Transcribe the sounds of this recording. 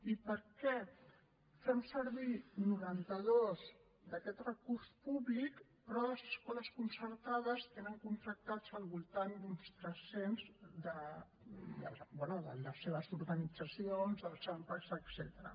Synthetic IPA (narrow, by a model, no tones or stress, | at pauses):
ipəɾkɛ | fɛmsəɾβinuɾant̪əðoz | d̪əkɛt̪rəkuɾspuβlik | pɾɔləzəskɔləskunsəɾt̪að̞əst̪enəŋkunt̪ɾək̚t̪ad͡zəlˠβulˠt̪and̪unst̪ɾəsenzd̪ə | d̪ə̰lbɛnuðə̰ləseβ̞əzuɾɣənid͡zəsionzðəlˠt͡ʃampəkzəksɛt̪əɾə̰